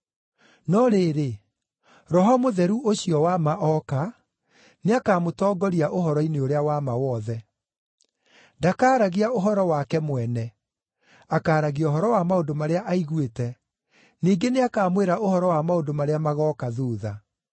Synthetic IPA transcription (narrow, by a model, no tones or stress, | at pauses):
nɔɾeɾe | ɾɔɦɔmoðɛɾuʔoɕiɔwamaʔɔka | neakaːmotɔːɡɔɾiaʔohɔɾɔineoɾeawamawɔðɛ | dakaːɾaɣiaoɦɔɾɔwakɛmwɛnɛ | akaːɾaɣiɔɦɔɾɔwamaondomaɾeaʔaiɣwetɛ | niːɡeneakaːmweɾaʔohɔɾɔwamaodomaɾeamaɣɔkaðuːða